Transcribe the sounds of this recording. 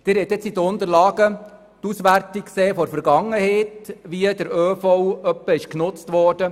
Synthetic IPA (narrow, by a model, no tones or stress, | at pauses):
d̥̪ɪːɾhɛt̪ɛt͡sid̪əʊnt̪əɾlɑːɡə | t̪usʋæɾtikseːfɔɾfəɾɡɑŋːəhɛɪt̪ʋiəd̪əɾøːfɔwœpːəɪʃknʊt͡st̪ʋɔrd̥ə